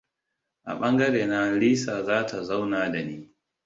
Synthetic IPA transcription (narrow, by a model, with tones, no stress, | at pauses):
ʔa̰˨ɓɐ˦ŋɡɐ˦ɽeː˨na˦ɽiː˦saː˨zaː˦tʰa˨za˦wnaː˨da˨niː˦